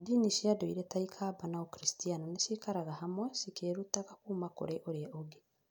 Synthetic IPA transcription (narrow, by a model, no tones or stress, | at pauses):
diniʃiadoiɾɛtaikʰaːbanaokɾistianɔneʃikaɾaɣahamwɛsikeːɾutaɣakuːmako̰ɾeʔoɾeaʔoɡe